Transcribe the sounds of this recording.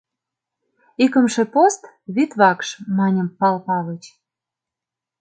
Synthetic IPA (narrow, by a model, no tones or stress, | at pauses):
ikə̆mʃĕpost̪ | βit̪βɑkʃmɑnʲə̆mpɑlpɑβə̆t͡ɕ